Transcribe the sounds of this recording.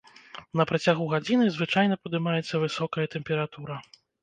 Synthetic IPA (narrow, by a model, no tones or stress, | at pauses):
nɐpɾɐt͡sʲaɣuɣad͡zʲinɨzvɨt͡ʂajnɐpɐd̪ɨmajɛt̪sːɐvɨsɔkɐjɐt̪ɛmpʲɛɾat̪uɾɐ